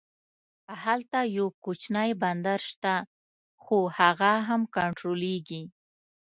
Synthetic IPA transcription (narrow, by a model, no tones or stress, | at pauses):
ahalt̪ajawkot͡ʃnajband̪aɾʃt̪a | xohaɣaɦamkaɳʈɾoleɡi